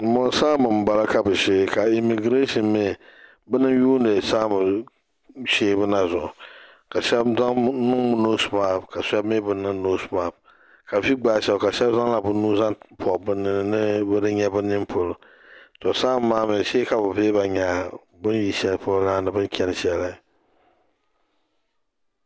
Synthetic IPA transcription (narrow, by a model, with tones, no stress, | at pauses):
mɔ˨n˦saː˦bɨ˨m˨ba˨la˦ka˨bɨ˨ʃeː˦ka˨i˨mi˨ɡɾe˦ʃɔ˨nme˦˨ | bɨ˦nɨ˦ŋ˦juː˦ndɨ˨saː˦bɨ˨ | ʃeː˦bɨ˦na˨zʊ˨ʔʊ˨ | ka˨ʃɛ˦bza˦ŋ˦nʊ˦ŋmʊ˦no˦smaː˦bka˨sɛ˦bmɪ˦bɨ˨nɨ˦ŋno˦sma˨b̚ | ka˨fi˦ɡ͡baː˨ʃɛ˦˨lka˨ʃɛ˦bza˦ŋla˨bʊ˦nuː˦za˦ŋpʰɔ˨bɨ˦nːɨ˨n˦nɨ˦bɨ˦dɨ˦ɲɛ˦bɨ˦nɨ˦npʰo˦lʊ˨ | tɔ˨saː˦maː˦mɪ˨ʃeː˦ka˨bɨ˨veː˦ba˨ɲa˨ | bɨ˦nji˨ʃɛ˦lpʊ˦lɡa˦nɨ˨bɨ˦n˦kʲɛ˦n˨ʃɛ˦la˦˨